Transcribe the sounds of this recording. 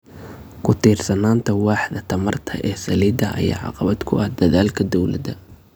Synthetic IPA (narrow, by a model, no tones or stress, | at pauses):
kʰʊt̪ʰiːrsɐnaːnt̪ʰɐwɑːħd̪ɐt̪ʰɐmɐrt̪ʰɐ̰ʔɛːsɐliːd̪ɐʔɐ̰ja̰ːʕɑ̰qɑβɐd̪kʰʊʔɐhd̪ɐðaːlkʰɐd̪ɔwlɐ̰ðɐ